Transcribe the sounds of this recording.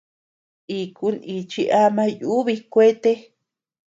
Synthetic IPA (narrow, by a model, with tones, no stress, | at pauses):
i˧ku˧˦ni˧t͡ʃi˧ʔa˦mã˧ju˦βi˧kʷe˦t̪e˦